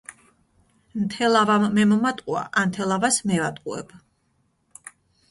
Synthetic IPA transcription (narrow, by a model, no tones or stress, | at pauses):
mt̪ʰɛlˠavamːɛmɔmat̪ʼqʼua̰ʔamt̪ʰɛlˠavasmɛvat̪ʼqʼṵɛ̰b̥